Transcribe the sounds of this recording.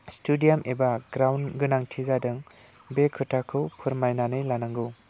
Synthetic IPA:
studijamʔebaɡɾawnɡɯnaŋtʰizadɯŋ | bekʰɯtʰakʰɯwpʰɯɾmajnanɯjlanaŋɡɯ

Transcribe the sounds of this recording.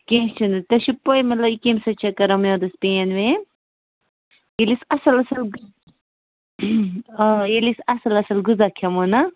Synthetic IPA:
kẽːst͡ʃʰunut̪ɐʃupːɐjmɐt̪lɐbikemsɐt͡ʃʰɐkɐɾɐmjõːd̪ɐspẽːnʋẽː | jelisɐsɐlɐsɐlɡ | jelisɐsɐlɐsɐlɡuzakʰɐmoːnɐ

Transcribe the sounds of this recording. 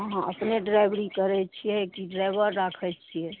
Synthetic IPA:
ɦɦãʔə̰pneɖɾaɪʋɾikəɾɛt͡ʃʰiɛkiɖɾaɪʋəɾːakʰɛt͡ʃʰiɛ

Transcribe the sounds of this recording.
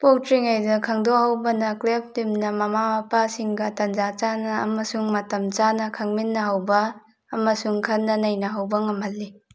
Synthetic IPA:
poktɾiŋajdɐkʰaŋdɔhawbɐnɐklep̚dimnɐmamamapasiŋɡɐtand͡ʒat͡ʃanɐ̰ːmɐsuŋmatɐmt͡ʃanɐkʰaŋminːɐɦawbɐː | mɐsuŋkʰanːɐnajnɐɦawbɐŋamɦalːi

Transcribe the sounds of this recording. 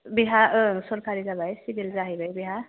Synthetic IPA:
biɦasɔɾkʰaɾid͡zabʱajsibild͡zaɦibʱʌjbiɦa

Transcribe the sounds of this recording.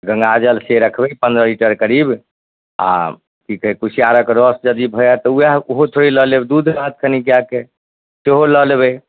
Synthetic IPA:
ɡə̃ŋɡad͡ʒəlseɾəkʰbɛpə̃nd̪ɾəliʈəɾkəɾib | a̰ | kikɦɛkusijaɾəkɾɔsd͡ʒəd̪ibʱəjat̪ɔujaoɦot̪ʰoɾiləlebd̪ud̪ʱɾaɦət̪kʰənikijake | seɦoləlebɛ

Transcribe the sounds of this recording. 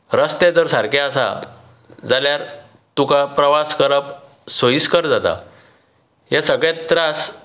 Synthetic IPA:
ɾəst̪ed͡zəɾsaɾkeasa̰ | d͡zaljaɾ | t̪ukapɾəʋaskəɾəp | soiskəɾd͡zat̪a̰ | ɦesəɡɭãt̪ɾas

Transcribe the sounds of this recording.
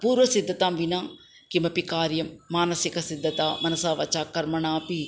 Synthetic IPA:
puːɾʋəsɪd̪ːət̪ãːʋinãː | kimɐ̃pikaːɾjɐmːaːnɐsɪkɐsɪd̪ːət̪aːmɐnɐsaːʋɐ̰t͡ʃaːkɐɾmɐɳaːpiː

